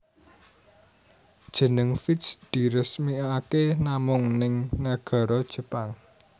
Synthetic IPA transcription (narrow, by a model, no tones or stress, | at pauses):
d̥ʒ̥ə̤nəŋfitsd̪̥i̤ɾəsmiakenamʊŋnɪŋnaɡ̥ɔ̤ɾɔd̥ʒ̥ə̤paŋ